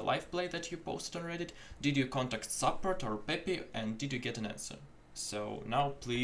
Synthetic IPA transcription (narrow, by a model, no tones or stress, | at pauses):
ə̰lʔa̰ɪfpleɪðætʰjɨpo̰ʊstə̃nɹɛɾɨd | dɨdjɨkɔ̃ntæktsʌpəɹtɔɹpɛpiʔɨ̃ndɨdjɨɡɛɾɨ̃næ̰̃nsə̰˞ | so̰ʊnaʊpʰli